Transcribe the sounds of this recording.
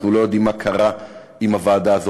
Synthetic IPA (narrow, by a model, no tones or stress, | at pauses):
nulo̞jod̪imːakʰaʁa | imavaːd̪aːzo